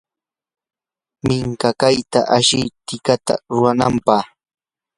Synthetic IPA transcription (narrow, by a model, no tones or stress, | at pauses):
mɪŋkakajt̪a̰ʔaʃɪjt̪ɪkat̪a̰ɾʊɾanampɑ